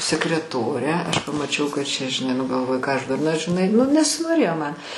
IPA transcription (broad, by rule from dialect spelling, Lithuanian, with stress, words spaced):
sʲɛkrʲɛˈtoːrʲɛ ˈɐʃ pɐmɐˈt͡ʃʲɛʊ kɐt ˈt͡ʃʲɛ ʒʲɪˈnɐɪ ˈnʊ ɡɐlˠˈʋoːjʊ ˈkɑː ɐʃ dʊrˈnɐ ʒʲɪˈnɐɪ ˈnʊ nʲɛsʲɪnoːˈrʲeːjoː ˈmɐn